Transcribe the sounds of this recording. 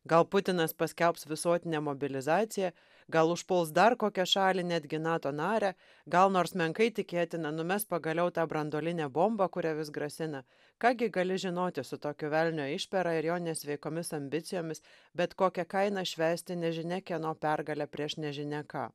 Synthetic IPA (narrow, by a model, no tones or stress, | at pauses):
ɡɐlˠpʊt̪ʲɪnɐspɐsʲkʲɛlˠpsʋʲɪsoːt̪ʲɪnʲɛmobʲɪlʲɪzɑːt̪sʲɪjɛ | ɡɐlˠʊʃpʊlˠsd̪ɐrkoːkʲɛʃɑːlʲɪnʲæd̪ʲɡʲɪnɑːt̪oːnɑːɾʲæ | ɡɐlˠnoːɾsmʲɛŋkɐɪt̪ʲɪkʲeɛt̪ʲɪnɐnʊmʲɛspɐɡɐlʲɛʊt̪ɑːbɾɐnd̪oːlʲɪnʲæːbombɐkʊɾʲɛʋʲɪsɡɾɐsʲɪnɐ | kɑːɡʲɪɡɐlʲɪʒʲɪnoːt̪ʲɪsʊt̪oːkʲoːʋʲɛlʲnʲoːɪʃʲpʲɛɾɑɪɾjoːnnʲɛsʲʋʲɛɪkoːmʲɪsɐmʲbʲɪt̪sʲɪjoːmʲɪs | bʲɛt̪koːkʲɛkɐɪnɐʃʲʋʲæːsʲt̪ʲɪnʲɛʒʲɪnʲɛkʲɛnoːpʲɛɾɡɐlʲɛpʲɾʲiɛʃnʲɛʒʲɪnʲɛkɑ̰ː